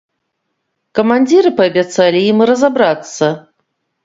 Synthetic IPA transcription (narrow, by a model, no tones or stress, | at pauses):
kɐmanʲd͡zʲiɾɨpɐːbʲat̪salʲijimɾɐzabɾat̪sːɐ